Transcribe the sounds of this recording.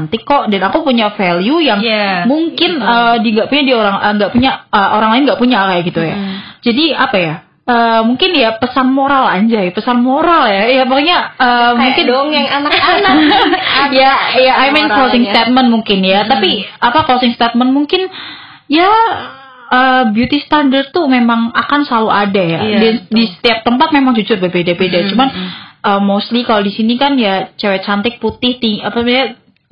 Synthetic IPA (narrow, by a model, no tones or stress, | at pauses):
nt̪ikɔʔdanakupuɲafelijujaŋmuŋkɪnədiŋɡaʔpuɲadioɾaŋəŋɡaʔpuɲaəʔoɾaŋlaɪnŋɡaʔpuɲakajaɡit̪uja̰ | d͡ʒadiapaja | əːmuŋkɪnjapəsanmoɾalaɲd͡ʒajapəsanmoɾaljajabakaɲaəːmuŋkɪŋjaŋanakanakjajaʔajmɛnkɾosɪŋst̪et̪̚mənmuŋkɪnjat̪apiapakosɪŋst̪ɛt̪̚mənmuŋkɪn | ja | əːbjut̪ist̪andərt̪umemaŋakansəlauadajaddisə̥t̪iap̚t̪əmpat̪̚memaŋd͡ʒud͡ʒʊrbərbedabedat͡ʃumanəːmost̪likalodisinikanjat͡ʃawɛt͡ʃant̪ɪk̚put̪ɪht̪iapaa